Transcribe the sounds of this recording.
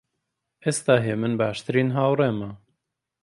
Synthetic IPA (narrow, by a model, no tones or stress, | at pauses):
ʔest̪aːɦeːmɨnbaːʃt̪ɨɾiːnɦaːwreːmɐ